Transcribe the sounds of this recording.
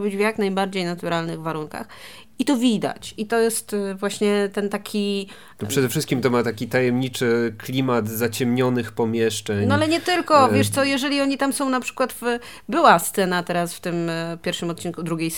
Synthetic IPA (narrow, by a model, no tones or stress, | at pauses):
bʲid͡ʑvjaknajbaɾd͡ʑejnat̪uɾalnɘɣvaɾuŋka̰x | it̪ɔvʲid̪a̰t͡ɕit̪ɔjɛst̪vwaɕɲɛt̪ɛnt̪akʲʰi | nɔpʂʂɛd̪ɛfʂɘst̪kʲimt̪ɔmat̪akʲit̪ajɛmɲit͡ʂɘklʲimat̪zat͡ɕɛmɲɔnɘxpɔmʲjɛʂt͡ʂɛɲnɔalɛɲɛt̪ɘlkɔjɛʂt̪sɔjɛʐɛlʲiɔɲit̪amsɔ̃w̃napʂɘ̥kwad̪v | bɘwast̪sɛnat̪ɛɾasft̪ɘmpʲjɛɾfʂɘmɔt̪̚t͡ɕinkud̪ɾuɡʲejs